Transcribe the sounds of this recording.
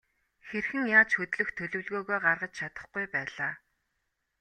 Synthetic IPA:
xerxɘ̆ŋjaːt͡ɕxɵt̪ɮɵ̆xt̪ʰɵɮɵ̆wɮɣoːɣoːjɢarʁə̆t͡ɕt͡ɕʰat̪ə̥̆χɡujpæːɮaː

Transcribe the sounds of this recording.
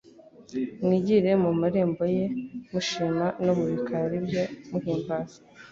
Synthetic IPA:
mŋiɟiɾe̞mumaɾeːmbo̞je̞muʃinanoβuɾikʰaɾibjomuhiːmbaːzi̥

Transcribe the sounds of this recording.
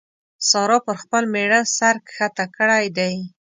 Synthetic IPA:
sɑɾɑpəɾxpəlmeɽasaɾkxat̪akəɽajd̪aj

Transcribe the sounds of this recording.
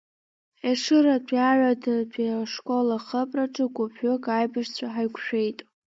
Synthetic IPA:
eʂɨɾadʰʷʼiaʕʷadadʷʰʼiaʂkʼolaχəpʼraʈ͡ʂʼɨɡʷʊpʰʊkʼajbaʂt͡sʷʰaħajkʷʰʃᶣe̞jtʼ

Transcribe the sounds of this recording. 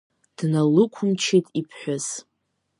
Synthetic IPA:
d̥nalɨkʷʰʊmt͡ʃʰijtʼipʰħʷaz

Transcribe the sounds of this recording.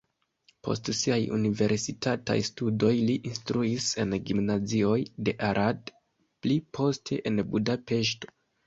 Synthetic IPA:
pʰo̞̰stsiajṵnive̞ɾsitata̰jstudo̞jliʔinstɾuise̞nɡimnazio̞jde̞ʔaɾʔad | plipʰo̞stʰe̞̰ʔenbudape̞ʃ̬to̞̥

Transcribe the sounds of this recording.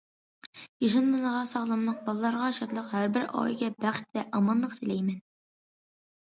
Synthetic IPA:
jiʃɑnmɨnəʁɑsɑχlˠɑmlˠəq̚bɑlˠɨlˠɑɾʁɑʃɑt̪lˠəqhæɾbɪɾɑ̰jɡʲɛbæχt̪vɛʔɑmɑnlˠəqt̪ʰɪlɛjmɛn

